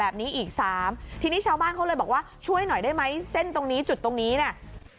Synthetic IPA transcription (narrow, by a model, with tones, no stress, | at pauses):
ɛː˨˩p̚niː˦˥ʔiː˨˩k̚saː˩˦mt̪ʰiː˧niː˥˩t͡ɕʰaː˧wbaː˥˩nkʰa˦˥wlɤː˧jbɔ˨˩k̚waː˥˩t͡ɕʰu˥˩əjnɔ˨˩jdaː˥˩jma˦˥jse˥˩nt̪o˧ŋniː˦˥t͡ɕu˨˩t̪ːo˧ŋniː˦˥ni˥˩ɐ